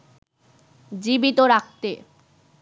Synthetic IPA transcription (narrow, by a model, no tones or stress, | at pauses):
d͡ʑibit̪oɾak̚t̪e